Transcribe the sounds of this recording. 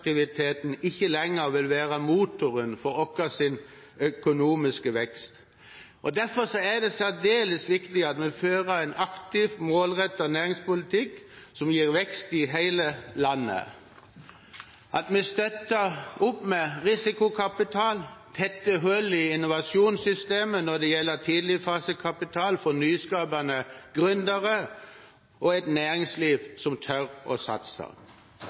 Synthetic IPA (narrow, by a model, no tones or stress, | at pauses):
k̚t̪ɪʋɪt̪ʰeːt̪n̩ɪçːəlɛŋːəɾʋɪlʋæːʁəmuːt̪ʊɾənfɔɾɔkəsɪn | œkʊnuːmɪskəʋɛkst̪ | ʔɔd̪æɾfɔsɔæd̪ɛsæʁd̪eːləsʋɪkt̪ɪɑt̪mɛføːʁəɾæɪnɑkt̪ɪʋmoːlʁɛt̪ːɔnæːɾɪŋspʊlɪt̪ʰɪkː | sɔmjiːɾʋɛkst̪ɪɦæɪləlɑnːə̰ | ʔɑt̪mɛst̪œt̪əʁʊpmɛʁɪsɪkʊkʰɑpɪt̪ʰɑːlt̪ʰɛt̪ːəɦøːlɪɪnʊʋɑsjuːnsʏst̪eːmənɔʁd̪ɛjɛlːət̪ʰiːd̪lɪfɑːsəkʰɑpɪt̪ʰɑːlfɔnyːskɑːbɑnəɡ̥ʁʉnd̪əʁə | ʔɔɛt̪næːɾɪŋsliːʋsɔmt̪ʰœʁɔ̰sɑ̰t̪sə̰ʁ